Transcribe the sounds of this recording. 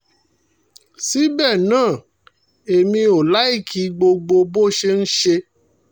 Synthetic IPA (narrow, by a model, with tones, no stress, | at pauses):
si˨˦bɛ˦˨nãː˦˨ | e˨mĩ˧o˨la˦i˦˨kʰi˨˦ɡ͡bo˧ɡ͡bo˧bo˦ʃe˧n̩˦ʃe˧